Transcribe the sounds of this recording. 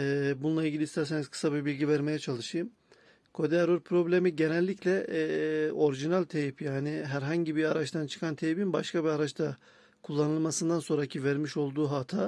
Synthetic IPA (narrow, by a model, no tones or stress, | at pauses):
ɛbunulˠailʲɟilʲiːst̪ʰæɾseniz̥kʰɯ̥sabibilʲɟivæɾme̞jɛt͡ʃʰalˠɯʃɯjɯm | kʰo̞d̪eɾoɾpʰɾo̞blʲemiɟe̞nɛlʲːiclʲɛ | o̞ɾiʒinalʲt̪ʰejipjaːnɪɦæɾɦaɲɟibiaɾat͡ʃt̪ʰant͡ʃʰɯ̥kʰant̪ʰejibinbaʃkʰabiaɾat͡ʃt̪ʰa | kʰulˠːanɯlˠmasɯnd̪anso̞nɾacʰivæɾmiʃo̞lˠd̪uːɦat̪ʰaː